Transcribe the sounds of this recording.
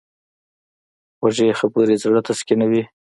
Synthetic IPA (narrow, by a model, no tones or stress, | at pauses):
waʒexəpuɾizɽat̪askinawi